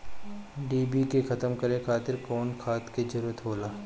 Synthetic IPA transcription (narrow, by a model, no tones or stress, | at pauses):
ɖiːbikexɐt̪əmkɐɾẽkʰaːt̪ɪɾkɔːnkʰaːt̪kezɐɾuːɾət̪ɦoːlaː